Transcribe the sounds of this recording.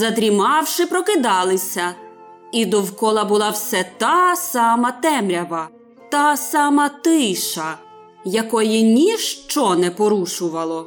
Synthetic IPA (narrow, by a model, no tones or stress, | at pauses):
zɐd̪ɾʲimɑwʃɪpɾɔkɪd̪ɑlˠɪsʲɐ | id̪ɔwkɔlˠɐbʊlˠɑwsɛt̪ɑsɑmɐt̪ɛmɾʲɐʋɐ | t̪ɑsɑmɐt̪ɪjʃɐ | jɐkɔjinʲiʃt͡ʃɔnɛpɔɾuʃʊʋɐlˠɔ